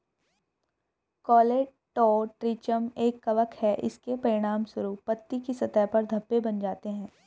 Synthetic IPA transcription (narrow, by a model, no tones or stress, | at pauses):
kɔːleː | ʈɔːʈɾiːt͡ʃəmeːkːɐʋəkhɛʔɪ̰skepɐɾɪɽ̃aːmsʊɾupɐt̪ːikisɐt̪aːpɐɾd̪ʱɐpːebɐnd͡ʒaːt̪eɦɛ̃ː